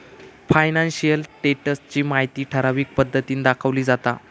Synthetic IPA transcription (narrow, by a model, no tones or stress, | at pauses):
fajnanɕijəlʈeʈəst͡ɕiːmaɦjt̪iːʈʰəɾaʋiːk̚pəd̪ʱːət̪iːnd̪akʰəʋliːd͡zat̪a̰